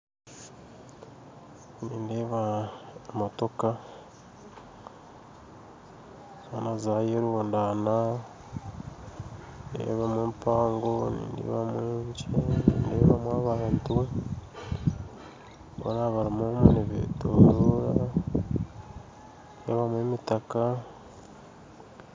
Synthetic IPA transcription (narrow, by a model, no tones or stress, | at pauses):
niːndeːβaː | matoka | βonazajeɾwoːndana | ndḛβamuːmpaːŋɡonḭβamwet͡ʃeneβamwaβaːntuwe | βo̰naβaɾimomuneβḛtoɾoɾa | nḛβamwemitaka